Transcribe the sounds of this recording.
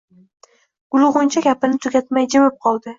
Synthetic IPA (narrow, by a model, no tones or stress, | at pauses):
ɡ̥ʊlˠʁʊnt͡ʃʰaɡʲapɪnɪt̪ʰʊɡʲat̪majd͡ʒɪwɪp̚qʰɒlˠd̪ɪ